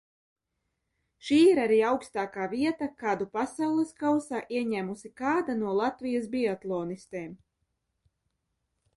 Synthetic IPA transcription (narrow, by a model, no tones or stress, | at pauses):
ʃiːiɾaɾiːawkst̪aːkaːviɛt̪akaːd̪upasawlˠɨskawsaːʔiɛɲæːmusikaːd̪anuɔlˠat̪vijasbʲiat̪lˠɔːnist̪eːm